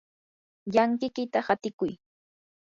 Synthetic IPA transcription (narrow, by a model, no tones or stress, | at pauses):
jaŋkɪkɪt̪ahat̪ɪkʊj